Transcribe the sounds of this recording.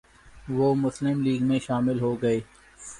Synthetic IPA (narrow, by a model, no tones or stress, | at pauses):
ʋoːmʊslɪmliːɡmẽʃaːmɪlɦoɡɐeː